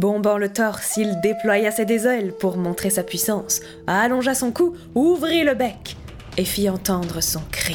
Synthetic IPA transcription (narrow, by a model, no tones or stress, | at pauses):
bɔ̃bɑ̃lət̪ɔʁsild̪eplwajased̪ezɛlpuʁmɔ̃t̪χesapɥisɑ̃s | alɔ̃ʒasɔ̃ku | uvʁiləbɛk | efiɑ̃t̪ɑ̃d̪ʁəsɔ̃kχi